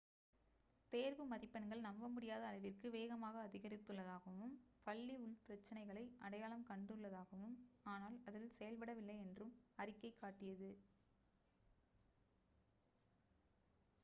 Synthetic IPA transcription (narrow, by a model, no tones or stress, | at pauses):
t̪eːɾʋɯmɐɾɪpːɐnɡɐɭnɐmbɐmʊɽɪjaːðɐːlɐʋɪrkɯʋeːɣɐmaːɣɐːðɪɣɐɾɪt̪ːɯɭːɐðaːɣɐʋɯmpɐɭːiʊnpɪɾɐt͡ʃːɐnɐɪɣɐɭɐɪʔɐɽɐjaːlɐmkɐɳɖɯɭːɐðaːɣɐʋɯmaːnaːlɐðɪlsɛjɐlpɐɽɐʋɪlːɐɪɛndrɯmɐrɪkːɐɪkːaːʈːɪjɐðɯ